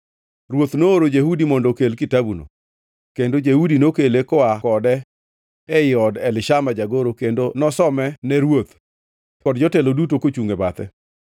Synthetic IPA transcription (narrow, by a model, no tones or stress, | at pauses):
ɾwot̪nooɾod͡ʒehudimɔndokelkɪtabuno̰ | kendod͡ʒehudinokelekɔakɔdɛ | ɛɪɔdɛlɪʃamad͡ʒaɡoɾokendonɔsɔmɛnɛɾwot̪ | kɔdd͡ʒɔtɛlodut̬okot͡ʃuŋebat̪ɛ̰